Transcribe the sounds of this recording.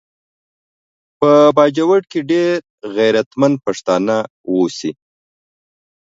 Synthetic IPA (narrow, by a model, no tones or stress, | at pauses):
pəbɑd͡ʒawaɽkeɖeɾ | ɣajɾat̪mand̪̚paʂt̪ɑna | wosi